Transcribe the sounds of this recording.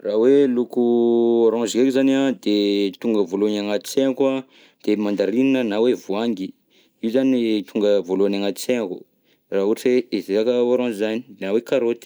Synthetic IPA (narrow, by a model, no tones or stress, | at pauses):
rawelukuaɾɔ̃nzkekizanad̪et̪uŋɡəvolonaŋat̪i̥seaka | d̪̥emand̪aɾininənawevuaŋɡi | iuzanit̪ʰuŋɡəvoloanaŋat̪i̥seŋakṵ | raːɦuʈ͡ʂieezeakəaɾɔ̃zizanid̪nawekaɾot̪i̥